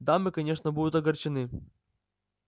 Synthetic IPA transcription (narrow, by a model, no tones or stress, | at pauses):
d̪amɨkɐnʲeʂnəbud̪ʊt̪ɐɡɐrt͡ɕɪnɨ